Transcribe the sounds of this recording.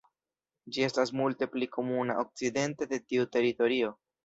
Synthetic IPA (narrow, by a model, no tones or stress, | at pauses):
d͡ʒie̞stasmulte̞plikʰo̞muna̰ʔo̞k̚t͡side̞nte̞de̞tiute̞ɾito̞ɾio̞